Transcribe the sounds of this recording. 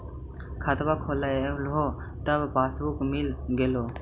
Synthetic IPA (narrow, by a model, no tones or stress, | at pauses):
kʰət̪ʋaːkʰoːlalɦoː | t̪əbpaːsbukmɪlɡeːloː